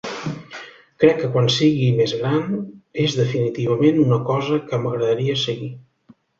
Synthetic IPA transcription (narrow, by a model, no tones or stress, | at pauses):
kɾɛkːəkwansiɣimezɣɾanezðəfinit̪iβ̞əmenunəkɔzəkəməɣɾəðəɾiəsəɣi